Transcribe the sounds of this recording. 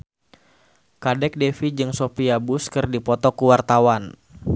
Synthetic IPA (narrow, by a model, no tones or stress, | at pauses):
kadɛk̚dɛfid͡ʒɨŋsopiabuskɨrdipɔt̪ɔkuwart̪awan